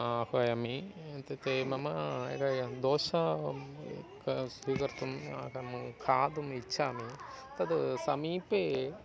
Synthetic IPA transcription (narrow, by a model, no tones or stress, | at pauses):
aːkɐjɐmit̪et̪emɐmɐḛɡajɐd̪oːʃa | ksiːkɐɾt̪uma̰kɐmukʰaːd̪umitːt͡ʃʰaːmit̪ɐd̪sɐmiːpe